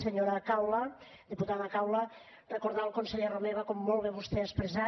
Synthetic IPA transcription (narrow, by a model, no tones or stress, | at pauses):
seɲoɾakawlə | d̪iput̪aðakawlə | rekoɾðalˠkonseʎeromeβakomːolˠβeβust̪eəspɾeza